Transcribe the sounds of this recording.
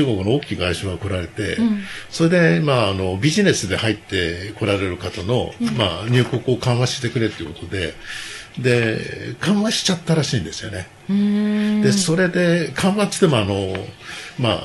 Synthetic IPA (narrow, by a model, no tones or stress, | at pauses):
ɨːɡo̞kɯno̞oːkʲiːɡaiɕoːɡako̞ɾaɾe̞t̪e̞̰so̞ɾe̞d̪e̞maːno̞bʲiʑine̞sɨd̪e̞hait̪ːe̞ko̞ɾaɾe̞ɾɯ̟kat̪ano̞̰ma̰ɲ̟ɨːko̞kɯ̟o̞kãɰ̃βaɕi̥t̪e̞kɯ̟ɾe̞t̪eiɯ̟kot̪o̞d̪e̞ | d̪e̞kʰãɰ̃βaɕi̥t͡ɕat̪ːaɾaɕĩːnd̪e̞sɨjo̞ne̞ | d̪e̞so̞ɾe̞d̪e̞kʰãβḁt̪emoano̞ | ma̰